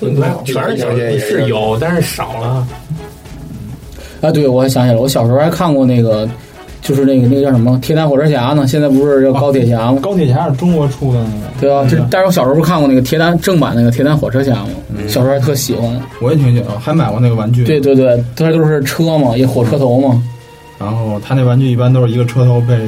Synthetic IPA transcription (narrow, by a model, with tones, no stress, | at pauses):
a˧˥˩ʂɻ̩˥˩jo˨˩˦ʊt̪a˥˧ʂɻ̩˥˩ʂɑ˨˩ʊlə˦˥˩ | a˧t̪̬we˥˩ɪwɔ˧˥xɛ˥ɕjɑ˧˥ŋt͡ɕi˨˩lə˧wɔ˧˥ɕjʂɻu˧˥xa˥ɪkʰa˥˧nkwɔ˥˧ne˥˩ɪɡə˩ | t͡ɕjo˥˧ʊʂɻ̩˥˧na˥˩ɡə˩˥˩jʂə˧˥mə˧t̪ʰjɛ˥t̪a˥nxwɔ˨˩ʈ͡ʂʰɤ˥ɕ̬ja˧˥nə˨ɕ̬jɛ˥˧nt͡sp̬u˧˥ʂɻ̩˥˧ɑ˥˩kɑ˥jɛ˨˩ɕ̬ja˧˥mɐ˧kɑ˥ʊt̪ʰjɛ˨˩ɕja˧˥˨ʈ͡ʂʊ˥ŋwɔ˧˥ʈ͡ʂʰu˥˩lə˨˩n˥˩˧t̪we˥˩ɪa˧t͡ɕo˥˧˥t̪wɕjʂɻkʰa˥˧kɔ˥˧ne˥˩ət̪ʰjɛ˥t̪a˧˥nʈ͡ʂɤ˥˩ŋpa̰˨˩n˥˩ɡə˩t̪ʰɛ˧˥a˥nxwɔ˨˩ʈ͡ʂʰɤ˥ɕja˧˥mɐ̰˧˩ɕɑ˨˩ʂt̪ʰɤ˥˩˧ɕi˨˩xwa˧˥nwɔ˧˥jɛ˨˧t̪ʰi˧˥ŋt͡ɕɥɛ˨˩d̪ə˧xa˧˥ɪma˨˩ɪkwɔ˧na˥˩ɡəwa˧˥nt͡ɕy˥˩twe˥˧ɪt̪wɪt̪̬we˥˩ɪt̪ʰo˥ʂɻ̩˥˧t̪o˥ʊʂ̬ɻ̩˥˩ʈ͡ʂʰɤ˥mɐ˨ɛ˧˥xwɔ˨˩ʈ͡ʂʰɤ˥t̪ʰo˧˥ʊmɐ˨ | ɻa˧˥nxo˥˩ʊt̪ʰa˥ne˥˩ɡəwa˧˥nt͡ɕy˥˧i˥˩pa˥nt̪o˥ʊʂɻ̩˧i˧˥ɡə˧ʈ͡ʂʰɤ˥t̪ʰo˧˥ʊp̬e˥˧ɪ